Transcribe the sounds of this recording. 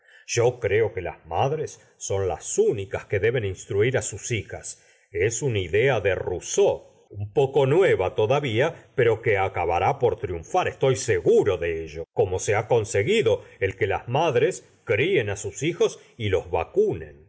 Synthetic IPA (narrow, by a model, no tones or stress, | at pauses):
ʒ̥o̞kɾe̞o̞ke̞la̰zmaðɾe̞sː | o̞nla̰sunikaske̞ðe̞βe̞ninst̪ɾuiɾasusixa̰s | esuniðe̞aðeruso̞ | umpo̞ko̞nweβat̪o̞ðaβiape̞ɾo̞keakaβaɾapoɾt̪ɾjuɱfaɾest̪o̞jseɣuɾo̞ðeeʒo̞ko̞mo̞se̞ako̞nse̞ɣiðo̞e̞lke̞la̰zmaðɾe̞s | kɾie̞nasusixo̞s | ilo̞zβa̰kunḛn